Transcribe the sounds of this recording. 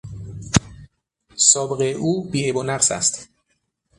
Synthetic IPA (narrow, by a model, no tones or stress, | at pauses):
sɒːbeɣeʔuːbiːʔebonæqsæ̰st̪